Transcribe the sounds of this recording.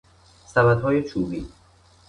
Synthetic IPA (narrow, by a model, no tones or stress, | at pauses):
sæmæd̪ɦɒːjet͡ʃʰuːbiː